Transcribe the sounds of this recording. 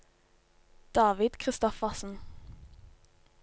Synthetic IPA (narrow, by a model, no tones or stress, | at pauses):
d̪̥ɑːʋɪd̪̥kʰʁɪst̪ɔfɑsn̩